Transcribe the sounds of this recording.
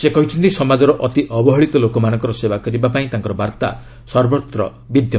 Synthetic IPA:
sekɔɦit͡ʃʰɔnt̪isɔmad͡ʒɔɾɔʔɔt̪iʔɔbɔɦɔɭit̪ɔlokɔmanɔ̃ŋkɔɾɔsebakɔɾibapaĩt̪ãŋkɔɾɔbaɾt̪a̰ | sɔɾbɔt̪ɾɔ | bid̪ʱjɔ

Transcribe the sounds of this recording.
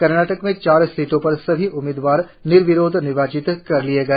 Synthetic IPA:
kɐɾnaːʈəkmẽt͡ʃaːɾsiːʈõpɐɾsɐbʱiʔʊmɪːd̪ʋaːɾ | nɪɾʋɪɾoːd̪ʱnɪʋaːt͡ʃɪt̪kɐɾlieɡɐeː

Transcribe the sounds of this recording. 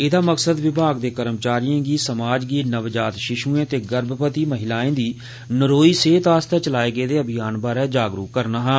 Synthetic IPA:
ɪd̪aːməksəd̪ʋɪbʱaːɡd̪eːkəɾəmt͡ʃaːɾijãːɡiːsəmaːd͡ʒɡiːnəʋd͡ʒaːt̪ʃɪʃuːẽːt̪eːɡəɾbpət̪iːməɦɪlaːẽːd̪iː | nəɾoːiːseːt̪aːst̪ɛːt͡ʃəlaːeːɡəeːd̪eːəbɪjaːnbaːɾɛːd͡ʒaːɡɾṵːkkːəɾnaːɦaː

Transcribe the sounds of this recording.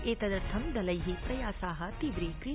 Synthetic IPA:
eːt̪ɐd̪ɐɾt̪ʰɐmd̪ɐlɐjɦipɾɐjaːsaːɦɐt̪iʋɾikɾi

